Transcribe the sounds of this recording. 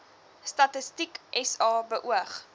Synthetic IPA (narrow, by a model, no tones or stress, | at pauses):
stɐtəstikʔɛsɑːbəʔuəχ